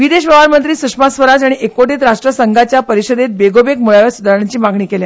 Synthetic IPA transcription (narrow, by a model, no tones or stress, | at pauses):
ʋid̪eɕʋəʋaɾmənt̪ɾiːsukʂmasʋəɾad͡ʑaɽ̃iekoʈiːt̪ɾaʂʈɾəsəŋɡʱat͡ɕjapəɾiɕəd̪et̪̚beɡobek̚muɭaʋjasud̪ʱaɾaɲt͡ɕiːmaɡɳiːkelja